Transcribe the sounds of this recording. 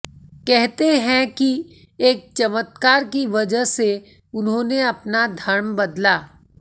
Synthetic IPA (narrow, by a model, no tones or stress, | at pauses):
kɛɦt̪eɦɛ̃ki | eːk̚t͡ʃɐmət̪kaːɾkiʋɐd͡ʒəɦse | ʊnɦõːneɐpnad̪ʱɐɾmbɐd̪laː